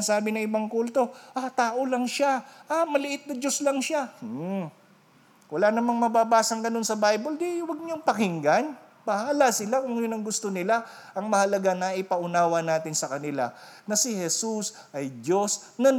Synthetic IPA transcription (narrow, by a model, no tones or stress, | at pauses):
saːbɪnɐŋɪbaŋkult̪o̞ʔat̪aːʔolɐŋʃaʔamɐlɪʔɪt̪̚nɐd͡ʒoslɐŋʃa | wɐlaːnɐmaŋmɐbaːbaːsɐŋɡɐno̞nsɐbajbold̪iwɐɡ̚ɲoŋpɐŋɪŋɡan | pɐhaːlasɪlakʊŋjʊnɐŋɡʊst̪o̞nɪlaʔɐŋmɐhɐlɐɡanaʔɪpɐʔʊnaːwɐnaːt̪ɪnsɐkɐnɪla̰nɐsɪhɛsus | ʔɐjd͡ʒo̞snɐ